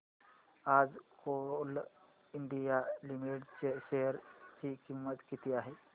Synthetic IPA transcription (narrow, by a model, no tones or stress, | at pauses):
aːd͡ʒkol | ɪnɖ̪ijalimiʈt͡ʃeseɾt͡ʃikimːət̪kit̪ijaɦe